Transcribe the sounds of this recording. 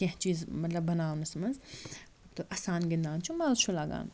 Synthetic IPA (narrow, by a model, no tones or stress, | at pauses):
kɐ̃ɦt͡ʃiːzmɐt̪lɐbːɐnaːwnɐsmɐnz | t̪oʔɐsaːnɡɐnd̪aːnt͡ʃʰumaːʃʰulaɡa̰ːn